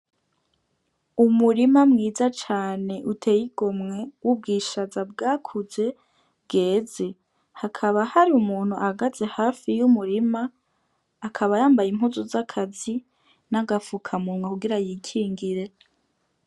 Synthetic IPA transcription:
umuɾimamŋiːzat͡ʃaːne̞ʔutʰe̞ːjiɡ̥o̞mŋe̞wub̚ɡiːʃazab̚ɡaːkʰuze̞ | bɡe̞ːze | hakʰaβahaɾiumuːn̥huʔahaɡaze̞haːfijumuɾimaː | kʰaβajaːmbajim̥ɦuzozakʰazi | naɡafukʰamumŋwakuɡiɾajiːkʰiːŋɡiɾe̞

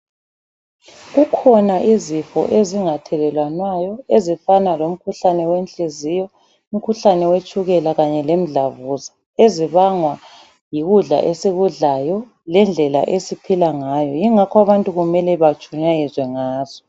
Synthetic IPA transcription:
ɣukʰɔnaʔizifɔ̰ʔeziŋatʰɛlɛlwanwajɔezifanalom̩kʰuɬanɛwenɬʼizijɔ | um̩kʰuɬanɛwet͡ʃʼuɣɛlaɣaɲɛlem̩ɮavuza | eziβaŋwa | jiɣuɮa̰ʔesiɣuɮajɔ | lɛnd͡ɮʱɛla̰ʔesipʰilaŋajɔjiŋakʰwaβantʼuɣumɛlɛβat͡ʃʰʼuɲajizwɛŋaːz̥ɔ

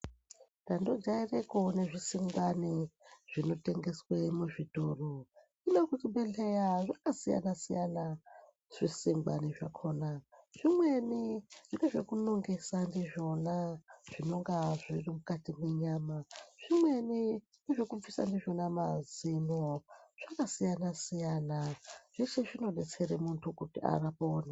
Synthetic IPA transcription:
ndandod͡ʒairekoneʐisiŋɡwaniʐ̥ino̞te̞ŋɡe̞swemuʐitoro | inokutiɓe̞ɬejaʐakasija̰nasijana | ʐ̥isiŋɡwa̰niʐa̰kʰonaʐ̥imweniʐ̥ineʐekunoŋɡesandiʐo̞naʐ̥ino̞ŋɡaʐirimukatimeɲaːmaʐ̥imwe̞ni | niʐokufisa̰ndiʐonamazinoʐ̥akasijanasijanaʐ̥et͡ʃeʐino̞ɗet͡seremuntʰukutia̰rapoːna

